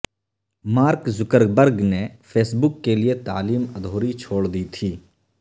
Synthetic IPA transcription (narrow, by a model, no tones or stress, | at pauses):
maːɾkzʊkəɾbəɾɡnepʰeːsbʊkːeliet̪a̰ːliːmɐd̪ʱoːɾit͡ʃʰoːɽd̪it̪ʰiː